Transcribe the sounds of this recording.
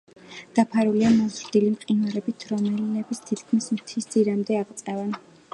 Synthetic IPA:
d̪̥apʰaɾuliamɔzɾd̪ilimqʼinaɾɛbit̪ʰɾɔmɛɛbist̪ʰit̪ʰkʰmismt̪ʰisd̪ziɾamd̪ɛaʁt̪sʼɛvɛn

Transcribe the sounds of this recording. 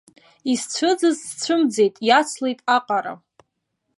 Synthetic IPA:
ist͡ɕʷʰɨd͡zɨzst͡sʷʰʊmd͡ze̞jtʼjat͡sʰlejtʼaqʼaɾa̰

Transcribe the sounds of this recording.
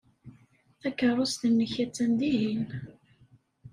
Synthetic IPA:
θækːərˤʊst̪ənːəçæt͡sːænd̪iɦin

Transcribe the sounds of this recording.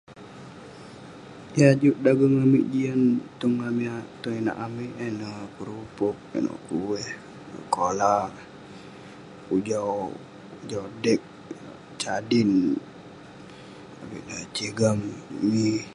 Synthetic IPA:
jad͡ʒuʔdaɡəŋamiʔd͡ʒiant̪uŋːamiat̪uena̰ʔamiʔenakəɾupʊk̚ḛno̰ʔkuwɛh | ə̰kola | ud͡ʒaw | ud͡ʒawdɛk̚ | t͡ʃadɪn | a̰bḭʔdat͡ʃiɡammi

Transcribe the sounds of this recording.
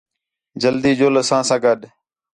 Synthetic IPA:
d͡ʒəld̪iːd͡ʒoːləsãːsãːɡəɗ

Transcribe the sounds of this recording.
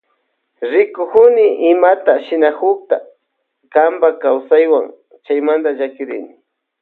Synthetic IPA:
ɾɪkʊkʊnɪʔɪmat̪aʃɪnakʊk̚t̪a̰ | kambakawsajwa̰ŋ | t͡ʃajmand̪aʒakɪɾɪnɪ

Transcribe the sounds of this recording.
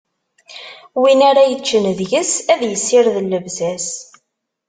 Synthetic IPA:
winaɾajət͡ʃːənðʝəsæðjəsːɪɾðəlːəvzæs

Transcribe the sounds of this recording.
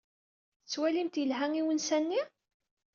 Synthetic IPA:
ət͡sːwælimt̪jəlɦæŋiwənsænːi

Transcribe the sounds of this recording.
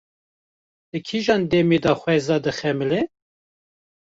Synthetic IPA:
d̪̥ɨkʰiʒɑːnd̪ɛmed̪ɑxʷɛzɑːd̪ɨxɛmɨle

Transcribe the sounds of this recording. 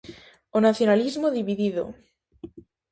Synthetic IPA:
onaθjonalizmoðiβiðiðo̰

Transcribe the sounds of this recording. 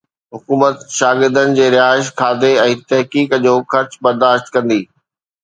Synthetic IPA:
ɦʊkuːmət̪ʃaːɡɪɾd̪ənɪ̆d͡ʑeːɾɪaːɪʃkʰaːd̪eɛ̃ːt̪ɛɦkiːkd͡ʑoːxɐɾt͡ɕbɐɾd̪aːʃt̪kɐ̃nd̪iː

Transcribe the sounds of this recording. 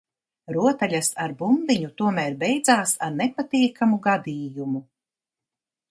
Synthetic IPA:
ɾuɔt̪aʎʲasaɾbumbiɲut̪uɔmæːɾbɛjd̪zaːsaɾnepat̪iɛkʰamuɡad̪iːjumu

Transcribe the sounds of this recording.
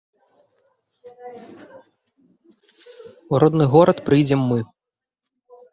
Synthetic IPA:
uɾɔd̪nɨɣɔɾɐt̪pɾɨjd͡zʲɛmːɨ

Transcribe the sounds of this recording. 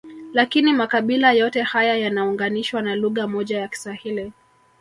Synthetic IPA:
lakinimakaɓilajɔtɛhajajanauŋɡaniʃwanaluɣamɔʄajaki̥swahili

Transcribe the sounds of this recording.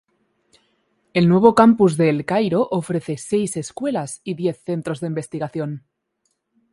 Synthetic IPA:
e̞lnwe̞β̞o̞kampuzðe̞lkajɾo̞ʔofɾe̞θe̞se̞jse̞skwe̞lasiðje̞θːe̞nt̪ɾo̞zðeimbe̞st̪iɣaθjo̞n

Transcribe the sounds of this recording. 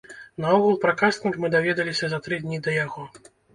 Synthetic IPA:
naɔɣulˠpɾakasʲnʲikmɨd̪avʲɛd̪ɐlʲisʲɐzɐt̪ɾɨd̪ʲnʲid̪ɐjaɣɔ

